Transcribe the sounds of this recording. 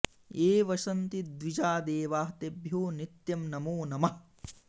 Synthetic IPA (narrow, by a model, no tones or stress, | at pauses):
eːʋɐʃɐnt̪id̪ʋid͡ʒaːd̪eːʋaːɦt̪ebʱjoːnit̪jɐmnɐmoːnɐmɐ